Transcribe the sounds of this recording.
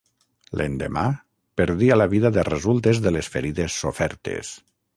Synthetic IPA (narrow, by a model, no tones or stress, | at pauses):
lʔḛnd̪ema | peɾðialaβiðaðerezulˠt̪ezðelesfeɾiðesːofɛɾt̪ḛs